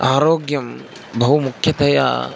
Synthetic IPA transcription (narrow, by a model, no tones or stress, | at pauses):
aːɾoːɡjɐm | bɐɦumukʰjɐd̪ʱɐja̰ː